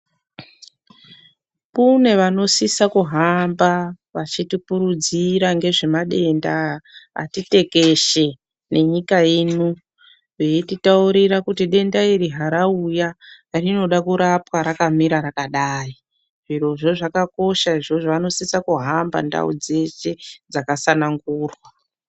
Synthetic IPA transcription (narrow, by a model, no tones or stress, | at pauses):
kune̞ʋano̞sisakuɦamba | ʋat͡ʃitipuɾud͡ziɾaŋɡe̞ʐe̞maɗe̞ndaa̰tite̞ke̞ʃe̞ | ne̞ɲikajeːnu | ʋeititauɾirakutiɗe̞ndairiɦaɾauja | rino̞ɗakuɾapwaɾakamiɾaɾakaɗaːi | ʐiro̞ʐo̞ʐakako̞ʃaiʐo̞ʐoʋano̞sisakuɦamba̰nda̰ṵd͡ze̞ʃe̞d͡zakasanaŋɡuːrwa